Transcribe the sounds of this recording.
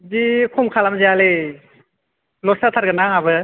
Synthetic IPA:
zikʰɔmkʰalamziale | lɔsat̪ʰaɾɡɯnaŋabɯ

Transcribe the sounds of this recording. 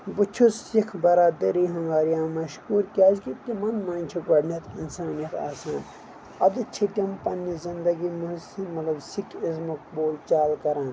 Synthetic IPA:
but͡ʃʰussikʰbɐɾaːd̪ɐɾiɦɐŋɡaːɾijãːmɐʃkuːɾkʲaːzkit̪̚kimɐnmãːnʲt͡ʃʰuɡɐɽnɐt̪insaːnijɐt̪a̰ːsãːn | ɐd̪ɨt͡ʃʰitɐmpɐnːizind̪ɐɡimusimɐt̪ɐbsikʰizmɐk̚boːlt͡ʃaːlkɐɾãːn

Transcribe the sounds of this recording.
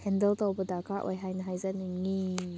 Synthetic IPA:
hɛndəlt̪ɔwbədakaʔwʔa̰jɦajnɐɦajzaniŋi

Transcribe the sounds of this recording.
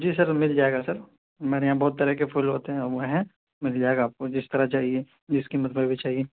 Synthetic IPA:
d͡ʒiːsɐɾmɪld͡ʒaːeɡasɐɾ | ɦɐmaːɾejãbɔːt̪̚ːɐɾɛkepʰʊlɦoːt̪eɦɛ̃ɔɾʋoɦɛ̃ | mɪld͡ʒaːeɡaːp̚kod͡ʒɪst̪ɐɾat͡ʃaːɦie | d͡ʒɪskimɐt̪bʱəbbit͡ʃaːɦie

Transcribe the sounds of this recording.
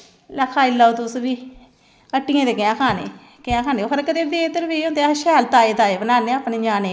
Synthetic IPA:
lakʰaːɪlːaot̪ʊsbiː | əʈːɪjãːd̪eːkeãːkʰaːnḛː | keãːkʰaːneːokʰəɾkəd̪eːd̪eːt̪əɾʋeːõːnd̪eʃɛːlt̪aːeːt̪aːeːbənaːneːaːpneːd͡ʒaːneː

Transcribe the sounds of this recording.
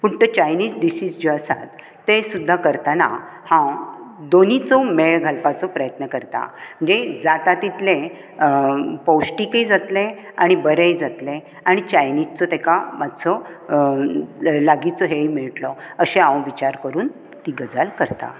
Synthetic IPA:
puʈʈət͡ɕajniːd͡zɖisiːd͡zd͡ʑeəsa̰t̪ː | esud̪ʱːakəɾt̪ana̰ | hãd̪onit͡sɔmeɭɡʱəlpat͡sɔpɾəjət̪nəkəɾt̪a̰m̤əɳd͡zed͡zat̪at̪it̪le | pəwsʈikəjd͡zat̪le | aɽ̃ibəɾejd͡zat̪le | aɽ̃it͡ɕajnid͡zt͡sɔt̪ekamad̪t͡sɔ | laɡit͡sɔɦejmiɭʈlɔəɕeãwʋit͡ɕaɾkəɾuːn | t̪iɡəd͡zalkəɾt̪a̰

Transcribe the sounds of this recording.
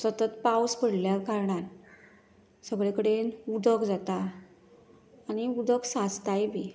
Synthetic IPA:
sət̪ət̪pawspəɽljakaɾɳat̪ | səɡɭekəɽenud̪əkd͡zat̪a | niud̪əksad͡zt̪ajbʱi

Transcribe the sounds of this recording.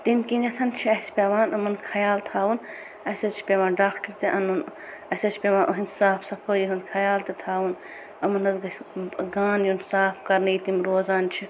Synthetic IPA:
t̪imkinɐt̪ʰɐnt͡ʃʰiɐspʲeːʋaːnʔɐmɐnkʰɐjaːlt̪ʰaːwun | ɐsɐt͡ʃʰi̥pʲeʋaːnɖaːkʈɐɾt̪eʔɐnunɐsɐt͡ʃʰi̥pʲeʋaːnʔoɦinsaːpʰsɐpʰəjiɦɨnkʰɐjaːlt̪it̪ʰaːwun | ɐmɐnɐzɡɐɡaːnjunsaːpʰkɐɾnɐjit̪imɾoːzaːnt͡ʃʰi

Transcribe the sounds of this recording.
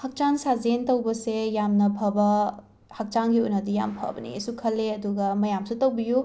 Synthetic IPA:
hɐk̚t͡ʃansazentowbɐsejamnɐpʰɐbɐ | hɐk̚t͡ʃaŋɡiujnɐdija̰mpʰɐ̰bɐnḭḛsukʰɐlːeɐduɡɐmɐjamsutowbiju

